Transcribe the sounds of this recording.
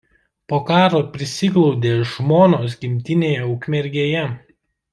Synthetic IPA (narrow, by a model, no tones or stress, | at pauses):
poːkɑːɾoːpʲɾʲɪsʲɪklˠɔʊd̪ʲeːʒmoːnoːs̬ɡʲɪmʲt̪ʲɪnʲeːjɛʊkmʲɛɾʲɡʲeːjɛ